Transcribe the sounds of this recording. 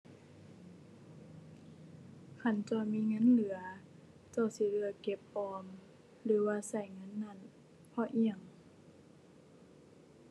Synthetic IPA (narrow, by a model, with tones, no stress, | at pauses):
kʰa˧˩˨nt͡ɕɔː˧˩miː˧˥˨ŋɤ˧˥˨nlɯ˨˩˦ɐ | t͡ɕɔ˧˩si˧˦lɯ˧˨ɐke˧˦p̚ʔɔː˧m | lɯː˨˦waː˧sa˧˩jŋɤ˧˥˨nːa˧˥˨n | pʰɔ˧˦ʔi˧˩ə˨ŋ